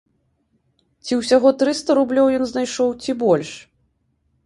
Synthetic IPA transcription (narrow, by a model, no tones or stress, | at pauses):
t͡sʲiwsʲaɣɔt̪ɾɨst̪ɐɾublʲɔwjɔnznajʂɔwt͡sʲibɔlʲʂ